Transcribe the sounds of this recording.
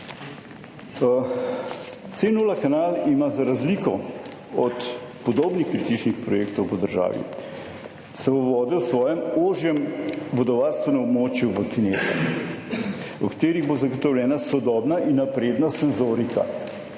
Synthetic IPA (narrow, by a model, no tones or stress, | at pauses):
t̪senulakanaːlimazaɾazlikɔ | ɔt̪pɔd̪oːbnixkɾit̪it͡ʃnixpɾɔjeːkt̪ɔwpɔd̪əɾʒa̰ːʋḭ | sɛboʋɔːd̪ɛwsʋɔːjɛmoʒjɛmʋɔd̪ɔʋaːɾst̪ʋɛnɛmɔbmoːt͡ʃjuʋəkineːzɛ̰ | ukḁt̪eːɾiɣbozaɡɔt̪ɔwlʲɛːnasɔd̪ɔːbnaʔinːapɾeːd̪nasɛnzoːɾika̰